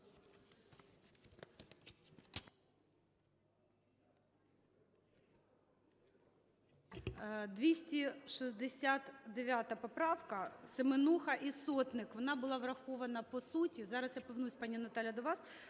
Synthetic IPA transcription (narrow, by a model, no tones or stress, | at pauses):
d̪ʋʲisʲtʲiʃizd̪esʲat̪d̪eʋʲjat̪ɐpɔpɾɑʋkɐsemenuxɐʔisɔt̪nɪkʋɔnɑbʊlˠɑʋrɐxɔʋɐnɐpɔsutʲizɑɾɐsjapɔʋnusʲpɑnʲːinɐt̪ɑlʲjɐd̪ɔʋɑs